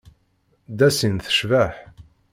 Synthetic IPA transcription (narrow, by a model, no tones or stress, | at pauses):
d̪æsinθə̥ʃvæħ